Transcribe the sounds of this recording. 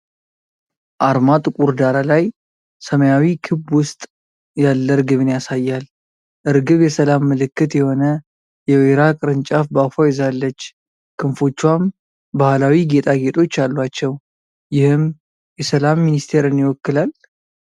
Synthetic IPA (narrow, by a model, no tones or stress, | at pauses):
ʔaɾmat̪ʼɨkʼuɾd̪aɾalaj | səməjawikʰɨbwʊst̪ʼ | jalːəɾɡɨβɨnjasajːal | ʔɨɾɡɨβjɛsəlamːɨlɨkːɨt̪jɛho̞nə | jɛweɾakʼɨɾɨnt͡ʃʼafbafojɛzalːət͡ʃː | kʰɨnfo̞t͡ʃːwam | bahlawiɡe̞t̪ʼaɡe̞t̪ʼo̞t͡ʃːalːwat͡ʃːɛw | jɪhɨm | jɛsəlamːinist̪ʰe̞ɾɨnjɪwɔkːɨlal